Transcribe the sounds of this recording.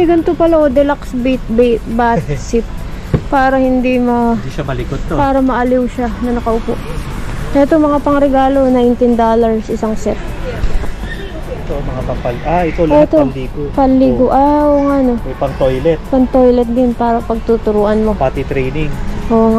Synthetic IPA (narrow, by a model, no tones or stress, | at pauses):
ɪɡɐnt̪opɐlaʔod̪ɛlaksbit̪̚bɛt̪̚basɪp̚ | paːɾɐhɪnd̪imɐd̪ʃɐmɐlɪkod̪̚t̪opaːɾɐmɐʔɐlɪwʃanɐnɐkɐʔʊpoʔʔɛt̪omɐŋapɐŋɾɛɡaːlo̞najnt̪ɪnd̪oːlɐɹsʔɪsaŋsɛp̚ | ʔɛt̪omɐŋapɐpɐlʔaʔɛt̪oɛt̪olliɡopɐnlːiːɡoʔaʔoːŋaʔno̞mɐjpɐŋt̪ojlɛt̪̚pɐŋt̪ojlɛt̪̚d̪ɪnpaːɾɐpɐɡ̚t̪ut̪ʊɾuːʔɐnmo̞pat̪it̪ɾɛjnɪŋʔoːŋa